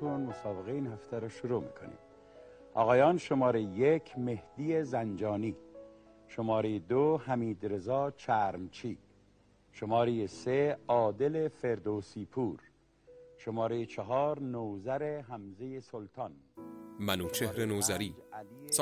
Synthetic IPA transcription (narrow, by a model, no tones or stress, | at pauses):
unmosɒːbeɣeinhæft̪ʰæɾɔʃoɾuːmḭːkʰo̰nḭːd̪ | ɒ̰ːɣɒːjɒːnʃo̞mɒːɾejejekʰme̞hd̪̥ijezænd͡ʒɒːniː | ʃomɒːɾejed̪ohæmiːd̪ɾe̞zɒːt͡ʃʰæɾmt͡ʃʰiː | ʃomɒːɾejese̞ɒːd̪e̞le̞feɾd̪oːsiːpʰuːɾ | ʃomɒːɾejet͡ʃʰeɦɒːɾnoːzæɾeɦæmzejesolt̪ʰɑːnmænuːt͡ʃʰehɾenoːzæɾiːæli